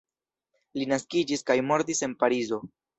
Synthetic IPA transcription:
linaskid͡ʒiskajmo̞ɾdise̞npaɾizo̞

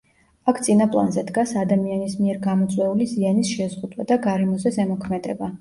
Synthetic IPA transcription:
akʰt̪sʼinapʼlˠa̰nzɛd̪ɡasad̪amianismiɛɾɡamɔt̪sʼwɛulizianisʃɛzʁud̪wad̪aɡaɾɛmɔzɛsɛmɔkʰmɛd̪ɛba

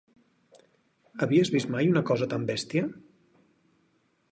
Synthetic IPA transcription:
əβiəzβist̪majunəkɔzət̪ambɛst̪iə

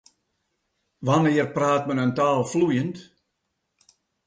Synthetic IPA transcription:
ʋanɪərpraːt̚mənəntaːlˠflujənt

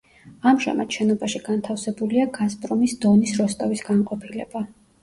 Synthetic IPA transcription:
amʒa̰mad̪̥ʃɛnɔbaʃiɡ̥ant̪ʰafsɛbuliaɡaspʼɾɔmisd̪ɔnisɾɔst̪ʼavisɡanqʼɔpʰilɛ̰ba

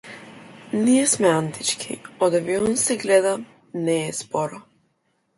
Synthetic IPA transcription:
nijɛsmɛant̪it͡ʃkʰḭɔd̪aviɔnsɛɡlɛd̪a | nɛːspɔɾɔ

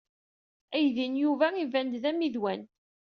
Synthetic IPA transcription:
æjðinjuvæivænd̪ðæmiðwæn

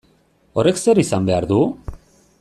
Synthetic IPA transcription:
o̞re̞kse̞ɾisambe̞aɾðu

